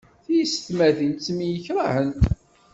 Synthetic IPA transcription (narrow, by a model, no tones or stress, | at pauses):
θijəsə̥θmæθint͡s̪ːmijəçɾˤahənt̪